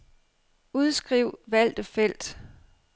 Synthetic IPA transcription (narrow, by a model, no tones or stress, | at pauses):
uð̞ˠsɡ̥ʁiʊ̰ʋæl̰d̥əfel̰d̥